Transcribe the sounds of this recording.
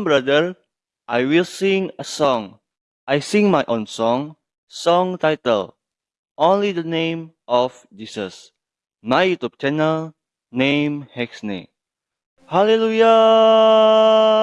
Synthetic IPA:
mbɹadə | ʔajwilsĩŋəsɔ̃ŋ | ʔajsĩŋmajʔõnsɔ̃ŋ | sɔ̃ŋt̪ajt̪ə̰l | ʔõnlidənẽmʔɔf | d͡ʒisəs | majut̪ub̚t͡ʃɛnəl | nẽmhɛksnḛ | haleluja

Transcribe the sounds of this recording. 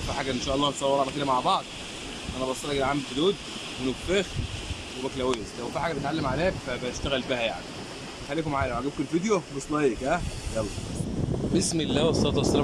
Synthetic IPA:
fiːħaːɡæʔenʃæːʔɑlˤːɑːsˤɑwːɑɾˤɑnæfilæmaʕbɑʕd̪̚ˤ | ʔænæbsːˤɑlæklʕamːlfod̪uːd̪̚ | wenoɡfex | webæklæwejeslæwfiːħaɡæbet̪ʕalːemʕaleːæfæbæʃt̪æɣælfiːhæja̰ʕni | exælːiːkomʕaːlæwʕaɡæb̚kelfid̪jobesˤlɑjːekæjɑlˤːɑ | besmelːæːwesˤɑt̪ˤɑsˤɑl

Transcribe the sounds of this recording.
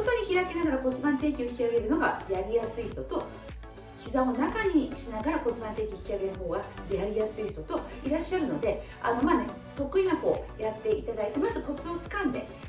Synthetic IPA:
ot̪o̞ɲ̟içiɾake̞naɡaɾako̞t͡sɨbãnt̪e̞ːkʲo̞çi̥kʲiaɡe̞ɾɯ̟no̞ɡa̰jaɾʲijasɨiç̥t̪o̞t̪o̞ | çʲizãonakaɲ̟iɕinaɡaɾako̞t͡sɨbãnt̪e̞ːkʲioçʲi̥kʲiaɡe̞nɯɦo̞ːɡaɾʲiaɾʲijasɨiç̥t̪o̞t̪o̞ | iɾaɕːaɾɯ̟no̞d̪e̞ | a̰no̞maːne̞ | t̪o̞kɯ̟inako̞̰ːjat̪ːe̞it̪ad̪ait̪e̞mazɨpo̞t͡sɨo̞t͡sɨ̥kãnd̪e̞̰

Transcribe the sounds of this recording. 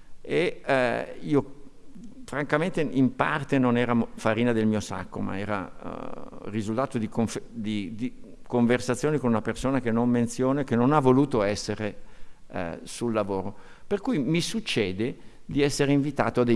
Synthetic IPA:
e | iːo | fɾaŋkament̪eʔimpa̰rt̪enonɛːɾafaɾiːnad̪elmiːosa̰kːoma̰ɛ̰ːɾa̰ | rizult̪aːt̪od̪ikoɱfed̪id̪ikoɱversat̪sːjoːnikonunapersoːnak̟enːomːent̪sjoːnaekenonavːoluːt̪oɛsːeɾḛ | sulːavoːɾo | perkujmisut͡ʃːɛːd̪ed̪iɛsːeɾeiɱvit̪a̰ːt̪oad̪e

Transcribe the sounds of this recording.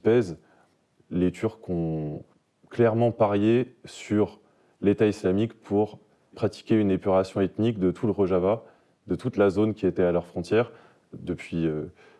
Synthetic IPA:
p̪ɛz | let̪ʰyʁkɔ̃ | klɛʁmɑ̃paʁjesyʁ | let̪aislamikpʰuʁ | pχat̪i̥kʲeynepyʁasjɔ̃ɛt̪nikd̪ət̪ʰuləʁoʒava | d̪ət̪ut̪lazonkʲiet̪ɛalœʁfχɔ̃t̪ʰjɛːʁ | d̪əpɥiø

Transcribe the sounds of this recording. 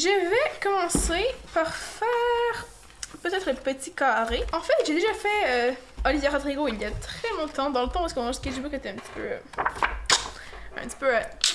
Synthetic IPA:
ʒəvɛkɔmɑ̃sepaʁfɛːʁ | pət̪ɛːt̪χələpət̪ikaʁeʔɑ̃fɛʒed̪eʒafɛøɔlivjaʁad̪ʁiɡoiljat̪χɛmɔ̃d̪t̪ɑ̃d̪ɑ̃lət̪ɑ̃paskɔɑ̃ʒkʲaʒibukst̪ɛɛ̃pt̪i̥pø̰ | ɛ̰̃pt̪i̥pøə

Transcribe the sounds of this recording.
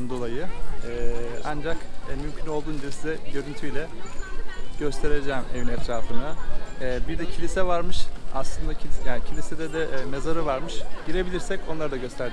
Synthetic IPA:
nd̪o̞lˠajɯɛand͡ʒakːmymcʰyno̞lˠd̪uːnd̪d͡ʒiɾisid̪ɛɟø̞ɾynt̪ʰyjlʲɛ | ɟ̥ø̞st̪ʰe̞ɾed͡ʒɛːme̞̰vinɛt̪ʰɾaːfɯnaɛːbiɾd̪ɛcʰilʲisɛvaɾmɯʃa̰slˠɯnd̪acʰijaːncʰilʲised̪ɛd̪ɛme̞zaɾɯvaɾmɯʃɟ̥iɾe̞bilʲiɾsɛco̞nlˠaɾd̪aɟø̞st̪ʰæɾd̪

